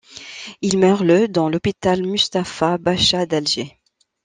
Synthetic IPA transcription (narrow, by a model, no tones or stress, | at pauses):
ilmœʁləd̪ɑ̃lɔpit̪almyst̪afabaʃad̪alʒe